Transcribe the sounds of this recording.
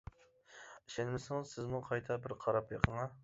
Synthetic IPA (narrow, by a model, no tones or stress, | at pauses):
iʃɛnmɪsɪŋɪzsɪzmuqʰɑjt̪ʰɛbɪɾqʰɑɾɑpjeqʰəŋɑ